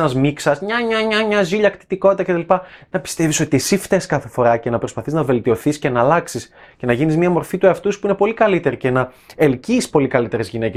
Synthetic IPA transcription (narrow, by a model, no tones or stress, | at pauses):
nɐzmiksɐsmɲɐɲɐɲɐɲɐziʎɐkt̪i̥t̪iko̞t̪it̪ɐcet̪ɐlipɐnɐpi̥st̪e̞viso̞t̪ie̞sift̪eskɐθe̞fo̞ɾɐce̞nɐpɾo̞spɐθiznɐve̞lt̪io̞θisce̞nɐːlɐksisce̞nɐʝinizmiɐmo̞ɾfit̪ue̞ɐft̪uspuine̞po̞likɐlit̪e̞ɾice̞nɐelciːspo̞likɐlit̪e̞ɾe̞zʝinece